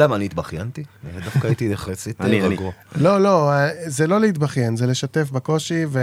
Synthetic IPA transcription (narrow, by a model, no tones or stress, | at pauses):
lamaniːt̪baχjant̪id̪afkaːit̪ieχlet͡siteʁaɡualo̞lo̞zelo̞leit̪baχjenzele̞ʃat̪efbako̞ʃive